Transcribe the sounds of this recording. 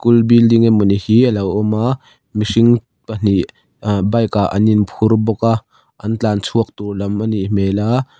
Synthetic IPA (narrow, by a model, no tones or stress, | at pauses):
kulbildiŋɛmɔnihiːʔəlɐwɔma | misiŋ | pən̥iʔ | bɐjkaʔɐninpʰʊrbɔkaʔ | ʔɐnt͡ɬaːnt͡sʰuək̚t̪urlɐməniʔm̥ɛla